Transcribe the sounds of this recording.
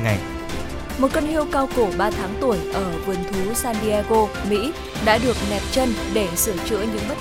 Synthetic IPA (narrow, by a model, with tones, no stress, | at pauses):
a˨˩j | mo˨˩t̚kə˧nhi˧əwkaː˧wko˧˩ɓaː˧t̪ʰaː˨˦ŋt̪u˧˩əjʔəː˧˩vu˨˩ənt̪ʰu˨˦saː˧nɗi˧aː˧ɣo˧ | mḭ˧˥ | ɗa̰ː˧˥ɗɨ˨˩ək̚ɲɛ˨˩p̚t͡ɕə˧nɗe˧˩sɨ˧˩t͡ɕɨ̰˧˥əɲɨ̰˧˥ŋɓə˦˥